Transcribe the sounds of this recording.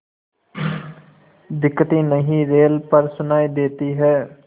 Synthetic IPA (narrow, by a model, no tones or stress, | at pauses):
d̪ɪkːət̪iːnəɦĩːɾeːlpəɾsʊnaːid̪eːt̪iːɦɛː